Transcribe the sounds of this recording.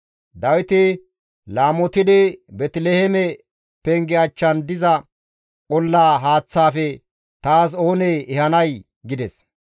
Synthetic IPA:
d̪ɐwɪt̪ɪ | laːmɔt̪ɪd̪ɪbɛt̪lehɛmɛ | pɛŋɡɛɐt͡ʃːɐnd̪ɪzɐ | kɔlːaːɦaːt͡sːaːfɛ | t̪aːs̬o̞ːnɛɛhɐnɐj | ɡɪd̪ɛs

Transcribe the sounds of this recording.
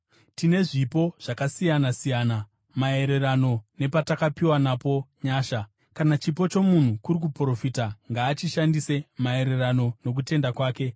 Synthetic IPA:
tine̞ʐipo̞ʐ̥akasijanasijaːna | mae̞ɾe̞rano̞ne̞patakapiwanapo̞ɲaːʃa | kanat͡ʃip̬o̞t͡ʃo̞mun̤ukuɾik̬upro̞fiːtaŋɡaːt͡ʃiʃandise̞mae̞ɾe̞rano̞no̞k̬ute̞ndakwaːke̞

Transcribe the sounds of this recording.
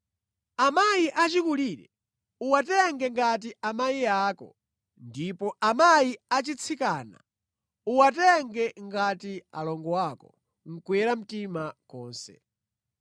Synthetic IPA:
amajiʔat͡ʃikuliːɾɛ | uwatɛŋɡɛŋɡat̬iamaiaːkɔ̰ | ndipɔʔamajiat͡ʃit͡sʰikaːna̰ | uwatɛŋɡɛŋɡatia̰lɔŋɡɔwakɔ | ŋ̩kwɛɾam̩timakɔːnsɛ̰

